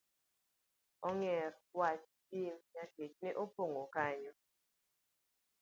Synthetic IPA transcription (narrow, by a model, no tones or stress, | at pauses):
ɔŋɛrwat͡ʃ | imɲaɡ̥et͡ʃ̚nɪʔopoŋokaɲɔ